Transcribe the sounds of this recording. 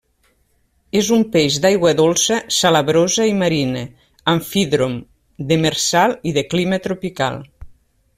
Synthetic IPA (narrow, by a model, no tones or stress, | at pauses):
ezumpeʒd̪ajɣwəðolˠsəsaləβɾozəiməɾine | aɱfiðɾom | d̪əmeɾsalˠiðəklimət̪ɾopika̰lˠ